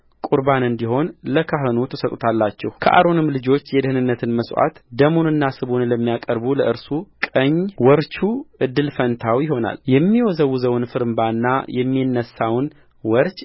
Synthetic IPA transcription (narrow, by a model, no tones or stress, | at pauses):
kʼuɾbanɨnd̪iɦo̞nləkʰaɦɨnut̪ʰəsət̪ʼut̪ʰalːat͡ʃːɛwhkʰəʔa̰ɾo̞nɨmːlɨd͡ʒo̞t͡ʃːjɛd̪ɨhɨnɨnːət̪ʰɨnməsʔa̰t̪d̪əmonɨnːasɨβonləmːijakʼəɾbuləʔɨɾsukʼəɲːwɔɾt͡ʃuʔɨd̪ːɨlfənt̪ʰawjɪho̞na̰ljɛmːiwɔzəwuzəwnfɨɾmbaɨnːa̰jʔɛmːinːəsawn | wɔɾt͡ʃʼ